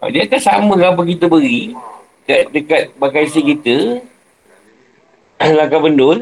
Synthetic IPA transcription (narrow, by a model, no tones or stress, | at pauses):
a̰d͡ʒak̪asamə̃kap̬əkit̪əbəɣi | kadəkat̪̚bakasikit̪ə | lakabəndʊl